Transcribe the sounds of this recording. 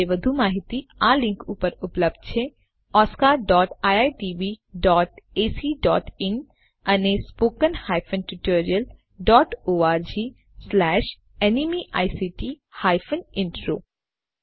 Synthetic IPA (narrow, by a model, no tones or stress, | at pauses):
eʋɐd̪ʱumaːɦɪt̪iãːlɪ̃ŋkuːpəɾʊpləb̚d̪̥̚t͡ʃʰe | ɔːskaːɾɖɔːʈaːjaːjʈiːbiɖɔːʈeːsiːɖɔ̰ːʈɪn | ɐnespoːkənhaːjfʰənʈɪʈoːɾiəl | ɖɔːʈoːaːɾd͡ʒiː | slɛːʃ | ɛnimiʔa̰ːjsiːʈi | haːjfʰənɪ̃ɳʈɾo̰ː